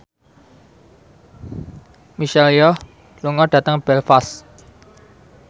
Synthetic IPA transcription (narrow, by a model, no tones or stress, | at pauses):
miʃalijɔh | luŋɔɖ̥ä̤t̪əŋb̥ɛlfas